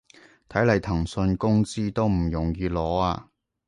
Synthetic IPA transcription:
t̪ʰɐ˨˥jlɐ˨˧˩jt̪ʰɐ˨˩ŋsɵ˧nkʊ˥ŋt͡siː˥t̪o˥wm̩˨˩jʊ˨˩ŋjiː˧lɔː˨˥aː˧

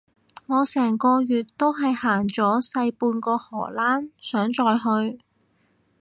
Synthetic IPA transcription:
ŋɔː˨˧sɛː˨˩ŋkɔː˧jyː˨t̚t̪ːo˥wɦɐ˨jhaː˨˩ŋt͡ʃɔː˨˥sɐ˧jpuː˧nkɔː˧hɔː˨˩laː˥nsœː˨˥ŋt͡ʃɔː˧jɦɵ˧ɥ

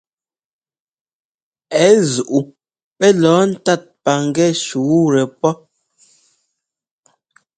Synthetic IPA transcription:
ɛ˨˦zu˨ʔu˨ | pɛ˦lɔː˨˦n̩˦ta˦˨t̚pa˨ŋ˦ɡɛ˦ʃu˨˦ɾɛ˨pɔ˦

